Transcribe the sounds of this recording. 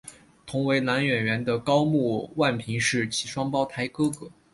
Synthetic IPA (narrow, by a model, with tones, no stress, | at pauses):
t̪ʰʊ˧˥ŋwe˧˥ɪna˧˥nɥɛ˨˩nɥɛ˧˥nd̪ə˧kɑ˥ʊmu˥˧wa˥˩npʰi˧˥ŋʂɻ̩˥˩t͡ɕʰi˧˥ʂwɑ˥ŋpɑ˥ʊt̪ʰa˧˥ɪkɤ˥kɤ˧˥˦